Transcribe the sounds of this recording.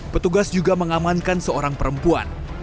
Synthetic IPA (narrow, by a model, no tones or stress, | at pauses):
pət̪uɡasd͡ʒuɡaməŋamankansəoɾaŋpəɾəmpua̰n